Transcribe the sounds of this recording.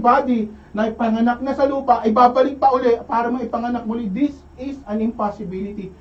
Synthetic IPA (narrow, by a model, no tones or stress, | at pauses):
baːd̪inɐʔɪpɐŋɐnak̚nɐsɐluːpɐʔɐjbaːbɐlɪk̚pɐʔʊlɛpaːɾɐmɐɪpɐŋɐnak̚mʊlɪd̪ɪs | ɪsɐnɪ̃mpasɪbilɪt̪i